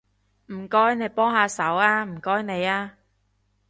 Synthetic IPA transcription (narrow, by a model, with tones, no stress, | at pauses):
m̩˨˩kɔː˥jne˨˧jpɔː˥ŋɦaː˨˧sɐ˨˥waː˧m̩˨˩kɔː˥jne˨˧jaː˧